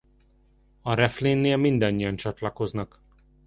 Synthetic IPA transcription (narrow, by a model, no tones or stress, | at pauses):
ɒɾɛfleːnːeːlmind̪ɒɲːijɒnt͡ʃɒt̪lɒko̞znɒk